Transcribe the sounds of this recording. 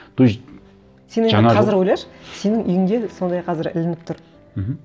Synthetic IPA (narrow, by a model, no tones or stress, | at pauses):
d̪̥u | se̞nenqʰɑzɪɾwo̞jlɑɾʃəse̞nɪŋʔʏjɪŋd̪e̞so̞nd̪ɑjqʰɑzɪɾɪ̰lɪnɪp̚t̪ʰʊɾ | m̩ɦ̩